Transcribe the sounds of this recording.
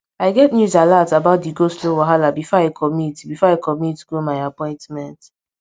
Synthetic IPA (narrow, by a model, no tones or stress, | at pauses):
aɪɡɛtnjuzalatabaʊt̚diɡoslowaɦalabifɔaɪkʰɔmitbifɔakʰɔmitɡ̥omajapɔ̃ɪ̃ntmɛ̃nt